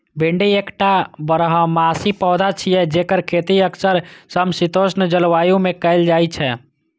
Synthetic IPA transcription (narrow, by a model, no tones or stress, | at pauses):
beɳɖiekʈabəɾəɦə̃masipɔːd̪at͡ʃʰijɛd͡ʒekəɾkʰet̪iəksəɾsəmsit̪osnd͡ʒəlʋajumekɛɪld͡ʒajt͡ʃʰɛ